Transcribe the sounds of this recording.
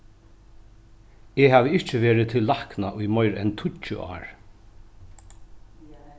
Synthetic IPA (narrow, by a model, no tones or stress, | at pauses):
ɛɦaːʋɪɪht͡ʃɪʋeːɾɪt̪ʰɪlːahknaʔʊjmɔjɾɛ̰nt̪ʰʊt͡ʃʊ̰ʔa̰ːɹ